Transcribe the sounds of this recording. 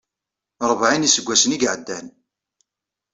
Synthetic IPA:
ɾˤəvʕinisəɡʷːæsəniɡʕəd̪ːæn

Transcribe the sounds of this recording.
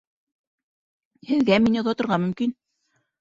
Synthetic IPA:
hɘ̆ðɡæminjŏðɑt̪ŏɾʁɑmɵ̆mkin

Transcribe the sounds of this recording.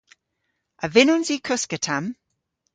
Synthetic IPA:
əvɪnʊnzikʰʊskətʰam

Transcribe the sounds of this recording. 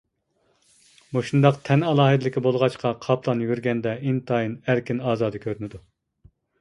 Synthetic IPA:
muʃund̪ɑqt̪ʰɛnɑlˠɑːɦɨd̪ɪlɪkʲibolˠʁɑt͡ʃqʰɑqʰɑpʰlˠɑnjywɪɾɡʲɛnd̪ɛint̪ʰɑːjinæɾkʲinɑːzɑːd̪ɨkʲʰøɾynɪd̪u

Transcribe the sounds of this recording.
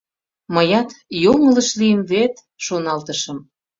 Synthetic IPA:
məjɑt̪joŋələʃlijəmβet̪ | ʃonɑlt̪əʃə̆m

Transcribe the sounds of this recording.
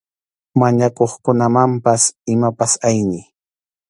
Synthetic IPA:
maɲakoχkʊnamampasɪmapasajnɪ

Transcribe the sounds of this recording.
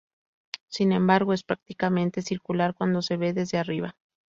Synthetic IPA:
sinẽ̞mbaɾɣoe̞spɾak̚t̪ikamẽ̞nt̪e̞siɾkulaɾkwand̪o̞se̞βe̞ðe̞zðeariβa

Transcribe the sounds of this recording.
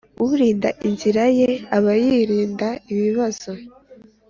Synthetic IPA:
uɾiːndaʔinziɾaje̞aβajiɾiːndaiβiβaz̥o̞

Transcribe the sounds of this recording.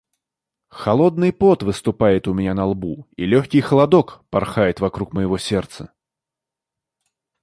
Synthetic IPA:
xɐlˠod̪nɨjpot̪vɨst̪ʊpajɪt̪ʊmʲɪnʲanɐlˠbuḭlʲoxʲkʲɪjxəlˠɐd̪okpɐrxajɪt̪vɐkɾukməjɪvosʲert̪sə

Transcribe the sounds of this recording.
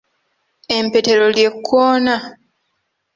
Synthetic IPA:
empe̞te̞ɾo̞lje̞kʰːoːna

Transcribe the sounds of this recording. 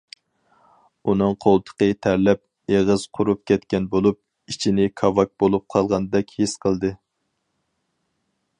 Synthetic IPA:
unɨŋqʰolˠt̪ʰə̥qət̪ʰæɾlɛp̚ | eʁəz̥qʰʊɾup̚kʲɛt̪kʲɛnbolˠup̚ | it͡ʃʰinɪkʰɑvɑk̚bolˠup̚qʰɑlˠʁɑnd̪ɛkʲhisqʰəlˠd̪ɨ

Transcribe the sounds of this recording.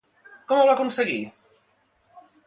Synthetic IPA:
kɔmoβakunseɣi

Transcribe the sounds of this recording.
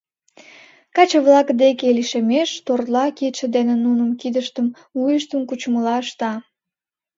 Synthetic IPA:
kɑt͡ɕəβlɑkd̪ekeliʃemeʃt̪orlɑket̪ʃə̆d̪enenunəmkid̪əʃt̪əm | ujəʃt̪əmkut͡ɕməlɑəʃt̪ɑ

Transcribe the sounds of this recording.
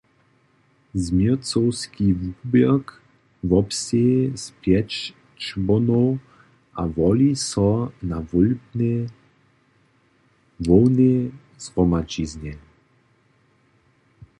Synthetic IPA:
zmit͡sɔwskʰivubɛk | vɔpsespljɛt͡ʃ | t͡ʃbɔnɔw | a̰vɔlisɔnavɔlne | vɔwne | zʁɔmat͡ʃizne

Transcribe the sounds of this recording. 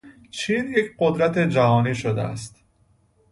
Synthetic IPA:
t͡ʃʰiːnjecʰɢo̞d̪ɾæt̪ʰe̞d͡ʒæɦɒːniːʃod̪ḛæ̰st̪

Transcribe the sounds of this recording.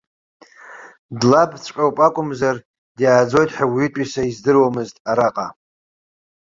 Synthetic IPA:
dlabt͡sʷʰʼkʲʷʼawpʼakʷʼʊmzar | djaːd͡zo̞jtʼħawitʼisaizdɨrwamɨztʼaɾaqʼa

